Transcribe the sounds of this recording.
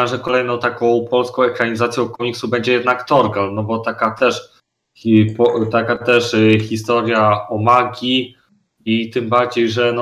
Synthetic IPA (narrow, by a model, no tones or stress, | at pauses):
ɛ̃ʐɛkɔlɛjnɔ̃w̃t̪akɔ̃w̃pɔlskɔ̃w̃ɛkɾaɲizat̪sʲjɔ̃w̃kɔmʲiksubɛɲd͡ʑɛjɛd̪nakt̪ɔɾɡalnɔbɔt̪akat̪ɛʂ | pɔt̪akat̪ɛʂxʲist̪ɔɾʲjaɔmaɡʲi | it̪ɘmbaɾd͡ʑejʐɛn